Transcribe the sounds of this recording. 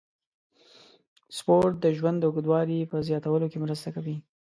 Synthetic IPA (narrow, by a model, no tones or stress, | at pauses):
spoɾʈ̪̚d̪əʒwand̪əʊɡəd̪wɑɾipəzjɑt̪awəlokemɾəst̪akawi